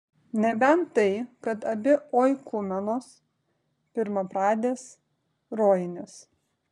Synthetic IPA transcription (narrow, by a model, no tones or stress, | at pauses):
nʲɛbʲɛnɐɪkɐt̪ɐbʲɪoːjkʊmʲɛnoːs | pʲɪɾmɐpɾɑːd̪ʲeːs | ɾoːjɪnʲɪs